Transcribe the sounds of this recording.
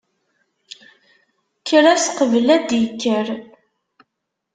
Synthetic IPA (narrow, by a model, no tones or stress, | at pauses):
kʰːəɾæsqəvəlæd̪jəkːəɾ